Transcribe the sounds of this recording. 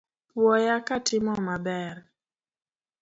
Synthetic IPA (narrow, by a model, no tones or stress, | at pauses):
pwɔjakatɪmɔmabɛr